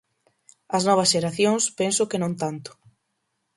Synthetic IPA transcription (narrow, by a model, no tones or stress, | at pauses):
ɐsnɔβ̞ɐsʃeɾaθjoŋspensʊkenõnt̪ant̪ʊ̥